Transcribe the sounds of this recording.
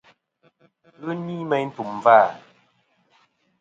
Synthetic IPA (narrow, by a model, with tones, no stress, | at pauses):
ɯ˦ni˦mɛ˦jn̩˦tu˨m˨va˦˨